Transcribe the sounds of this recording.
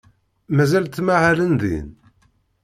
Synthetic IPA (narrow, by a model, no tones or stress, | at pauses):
mæzælt̪ːmaʕalənðḭn